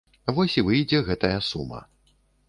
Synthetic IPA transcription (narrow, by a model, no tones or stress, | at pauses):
vɔsʲivɨjd͡zʲɛɣɛt̪ɐjɐsṵmɐ̰